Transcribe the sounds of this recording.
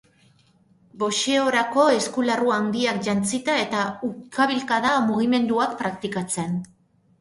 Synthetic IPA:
bo̞ʃe̞o̞ɾako̞e̞skularuand̪iakʝant͡sit̪ae̞t̪aukʰaβilkaðamuɣ̞ime̞nd̪uak̚pɾakt̪ikat͡se̞n

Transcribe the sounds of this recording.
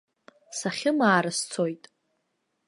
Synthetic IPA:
saχʲɪmaːɾɨst͡sʰojtʼ

